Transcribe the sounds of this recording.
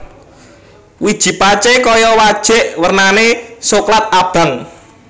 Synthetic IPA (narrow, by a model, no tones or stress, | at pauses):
wid̥ʒ̥i̤pat͡ʃekɔjɔwad̥ʒ̥ɛ̤ʔwərnanesoklat̪̚ab̥a̤ŋ